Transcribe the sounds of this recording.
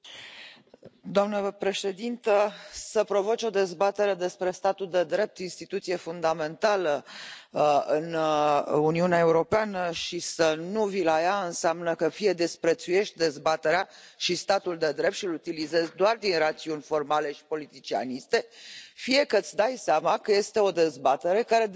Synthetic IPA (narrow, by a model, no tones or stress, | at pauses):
d̪oamnəpɾe̞ʃe̞d̪int̪əsəpɾo̞vot͡ʃʲo̞d̪e̞zbat̪e̞ɾe̞d̪e̞spɾe̞st̪at̪uld̪e̞d̪ɾe̞p̚t̪inst̪it̪ut̪sie̞fund̪ame̞nt̪alə | ɨn | uniuneae̞uɾo̞peanəʃisənuvilajaɨnseamnəkəfije̞d̪e̞spɾe̞t̪suje̞ʃt̪̚ʲd̪e̞zbat̪e̞ɾeaʃist̪at̪uld̪e̞d̪ɾep̚t̪ʃiɨlut̪ilize̞zd̪oard̪inrat̪siunʲfo̞rmale̞ʃi̥po̞lit̪it͡ʃia̰nist̪e̞fije̞kət̪sʲd̪ajseamakəje̞st̪e̞o̞d̪e̞zbat̪e̞ɾe̞kaɾe